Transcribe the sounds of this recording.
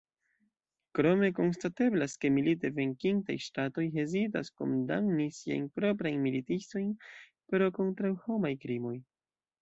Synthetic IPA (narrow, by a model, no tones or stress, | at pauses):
kɾo̞me̞ko̞nstate̞blaske̞milite̞ve̞ŋkiŋtajʃtato̞jɦe̞zita̰sko̞̰mda̰mnisia̰jnpɾo̞p̬ɾajnmilitisto̞jn | pɾo̞ko̞ntɾawho̞majkɾimo̞j